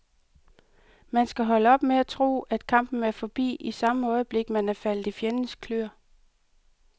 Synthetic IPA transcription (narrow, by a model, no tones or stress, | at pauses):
mænsɡ̥æɦɒ̽ləɒ̽b̥meæt͡sʰʁo̝̰ːæd̥̚kʰɑ̈m̰b̥n̩æɐfɒ̽b̥ḭːʔisɑ̈məɒ̽ɪəb̥le̝ɡ̥mænæfæl̰d̥ifjenn̩skʰløɐ̰